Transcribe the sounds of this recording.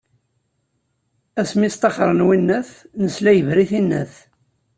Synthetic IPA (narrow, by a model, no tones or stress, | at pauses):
æsmist̪ˤɑχɾˤənwinːæθnəslæjəvɾiθinːə̰θ